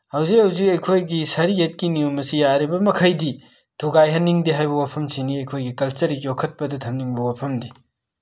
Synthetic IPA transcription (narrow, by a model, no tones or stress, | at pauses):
hɐwzik̚hɐwzikɐjkʰojɡisɐɾiet̚kinijumɐsijaɾibɐmɐkʰɐjdi | tʰuɡajɦɐnːiŋdiɦajbɐwapʰɐmsiniɐjkʰojɡikɐlt͡ʃɐɾikjokʰɐt̚pɐdɐtʰɐmniŋbɐwapʰɐmdi